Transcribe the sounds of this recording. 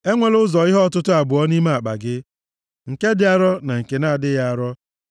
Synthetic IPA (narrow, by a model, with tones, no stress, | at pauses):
e˦ŋʷe˨lʊ˦zɔ˨ɪ˦ɦɔ˦˨tʊ˦tʊ˦a˨bʊ˨ɔ˦ni˦ma˦a˨k͡pa̰˨ɡɪ˦ | ŋ̩˨ke˦dɪ˦a˦ɾɔ˦na˨ŋ̩˨ke˨na˦a˨dɪ˦ja˦˨ɾɔ˦